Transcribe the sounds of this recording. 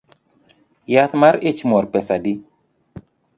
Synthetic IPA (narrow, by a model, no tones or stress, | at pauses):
jat̪maɾɪt͡ʃmɔɾpɛsadi